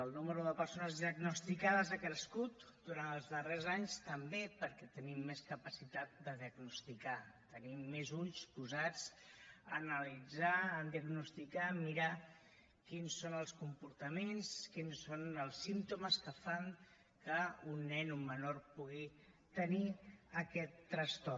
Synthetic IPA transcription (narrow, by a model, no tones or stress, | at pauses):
əlˠnuməɾuðəpəɾsonəzðiəɡnust̪ikaðəzakɾəskut̪d̪uɾanəlˠzðərezaɲst̪əmbepəɾkɛt̪ənimːeskəpəsit̪at̪̚d̪əðiəɡnust̪ikat̪ənimːezuʎspuzad͡zənəlid͡zaːnd̪iəɡnust̪ikamiɾa | kinsonəlˠskumpuɾt̪əmenskinsonəlˠsint̪uməskəfaŋ | kəunːɛnumːənorpuɣi | t̪əniəkɛt̪ːɾəst̪ɔ